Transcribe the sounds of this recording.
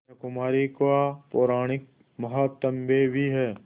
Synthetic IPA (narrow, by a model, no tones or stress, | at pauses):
ɐkʊmaːɾikwapoːɾaːɽ̃ɪk̚ | mɐɦat̪ɐmbebʱiɦɛː